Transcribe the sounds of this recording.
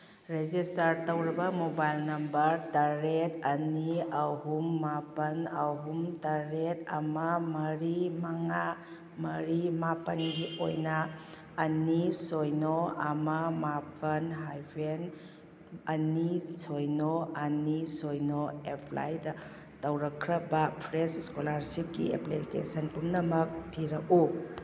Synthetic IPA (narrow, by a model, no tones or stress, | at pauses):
ɾed͡ʒistɐɾtɐwɾɐbɐmobajlnɐmbɐɾtɐɾetɐniɐɦumːapɐnɐɦumtɐɾetɐ̰mɐmɐɾimɐŋa | mɐɾimapɐnɡio̰jnɐː | nisojnoɐmɐmapʰɐnɦajpʰen | ɐnisojnoɐnisojnoepʰla̰jdɐ | tɐwɾɐkʰːɾɐbɐpʰɾesiskolaɾsip̚ɡḭḛplikḛsɐnpumnɐmɐk̚tʰiɾɐk̚u